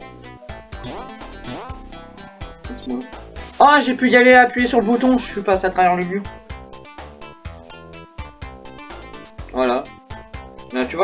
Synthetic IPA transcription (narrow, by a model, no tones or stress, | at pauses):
ɛsmwaaʒepyjaleaːpɥijesyʁləbut̪ɔ̃ʒəʃɥypaseat̪χavɛʁləljø | vwala | mɛt̪yvwa